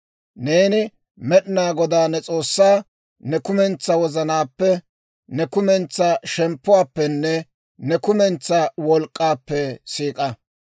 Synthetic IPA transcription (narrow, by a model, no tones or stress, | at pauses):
neːnɪ | mɛɗɪnaːɡɔd̪aːnɛt͡sʼo̞ːsːaː | nɛkʊmɛnt͡sːɐwɔzɐnaːpːɛ | nɛkʊmɛnt͡sːaʃɛmpːʊwaːpːɛnːɛ | nɛkʊmɛnt͡sːɐwɔlkʼːaːpːɛsiːkʼɐ